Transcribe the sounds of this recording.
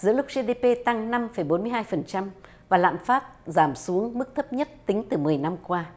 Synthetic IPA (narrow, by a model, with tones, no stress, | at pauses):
zɨ̰˧˥əlʊ˦˥k̚ze˧ɗe˧pe˧t̪a˧ŋna˧mfə˨˩jɓo˨˦nmɨ˧əjɦaː˧jfə˨˩nt͡ɕa˧m | vaː˨˩la̰ː˧˨nfaː˦˥t̚zaː˧˩msu˨˦əŋmɨ˦˥k̚t̪ʰə˦˥p̚ɲə˦˥t̚t̪ï˨˦ŋ̟t̪ɨ˨˩mɨ˨˩əjna˧mkwaː˧